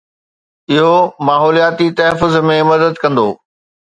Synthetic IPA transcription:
ɪɦomaːɦɔːlijaːt̪it̪ɐɦəfʊzmẽmɐd̪əd̪kɐ̃nd̪o̰ː

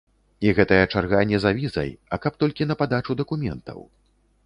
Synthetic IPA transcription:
iɣɛt̪ɐjɐt͡ʂarɣanʲɛzavʲizɐ̰jɐkɐp̚t̪ɔlʲkʲinɐpad̪at͡ʂud̪ɐkumʲɛ̰nt̪ɐ̰w

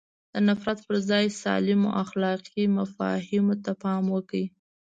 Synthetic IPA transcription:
d̪̥ənafɾat̪pəɾzɑjsɑ̰lɪmo̰ʔaxlɑqimafɑ̰hɪmot̪apɑmwəki

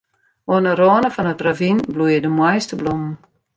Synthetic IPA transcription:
oənəroənəfɔnətravinblujədəmwɔjstəblumn̩

